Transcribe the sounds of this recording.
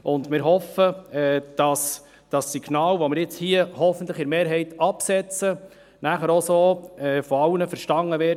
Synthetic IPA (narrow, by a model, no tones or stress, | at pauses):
ʔʊndmɪɾɦɔfəɛːd̥ɑs | d̥ɑsːiɡ̥nɑːlʋɔmɪɾjɪt͡shiəhɔfəntləχɪɾmeːɾɦɛɪtɑpsɛt͡sə | næχəɾɔsoːɛfɔɑwnəfəɾʃtɑŋːəʋɪː